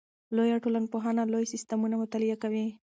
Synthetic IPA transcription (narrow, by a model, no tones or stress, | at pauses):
lojaʈolanpoɦɑnalojsɪst̪amunamʊt̪ɑlɪjakawi